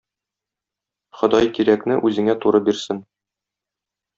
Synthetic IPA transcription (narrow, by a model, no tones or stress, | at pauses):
χŏd̪ɑjkiɾæknɘʔʉzɘ̆ŋæt̪uɾɤbiɾsɘn